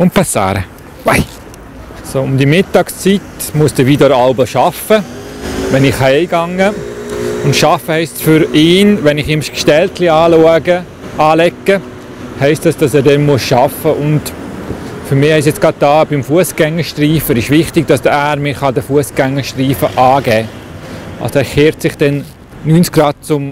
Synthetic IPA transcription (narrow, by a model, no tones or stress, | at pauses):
ʊnt̚pɑsɑ̰ːɾə̰ | wɛ | soʊmd̪imɪtːɑkst͡sitmuəsd̥əʋiːdɔɾɑlbəʃɑfəʋɛnɪχhɛɪɡɑŋːə | ʊntʃɑfəhɛɪstsfʏɾɪːnʋɛnɪχɪmskʃtɛltliɑːluəɡə | ɑːlɛkːə | hɛɪstɑsd̥ɑsɛːɾdɛnmuəsʃɑfəʔʊnd | fyɾmɪːhɛɪs̬jɛt͡sɡ̥ɾɑd̚dɑːb̥ɪmfuəsɡ̥ɛŋəɾʃtriːfəɾɪʃʋɪχtɪɡ̚d̥ɑsəæːɾmɪːχɑdəfuəsɡ̥ɛŋːəʃtriːfəʔɑːɡɛː | ʔɑ̰lsoæːɾχeːɾtsɪχd̥ɛn | nyːnt͡skɡ̥rɑːd̚t͡sʊm